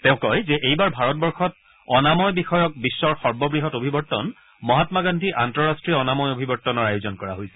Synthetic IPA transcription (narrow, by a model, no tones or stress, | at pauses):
tɛ̃ʊ̃kɔjzɛʔejbaɹbʱaɹɔt̚bɔɹxɔt̚ | ɔnamɔjbixɔjɔk̚bisːɔɹxɔɹbɔbɹiɦɔtobʱibɔɹtːɔ̰n | mɔɦatmaɡandʱiʔantɹɔɹastɹiɔnamɔjobʱibɔɹtːɔnɔɹajuzɔnkɔɹa̰ɦojsɛ̥